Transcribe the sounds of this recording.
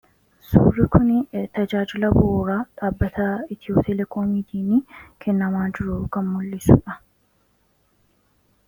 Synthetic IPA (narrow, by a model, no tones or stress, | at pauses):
sṵːrːɪkʊnɪt̪ɐd͡ʒaːd͡ʒɪlɐboːɾaːᶑaːbːɐt̪ʰɐɪt̪ɪjoːpt̪ɛlɛkʰoːmiːt̪iːnikʰɛnːɐmaːd͡ʒɪɾukɐmːʊlːɪsṵːᶑɐ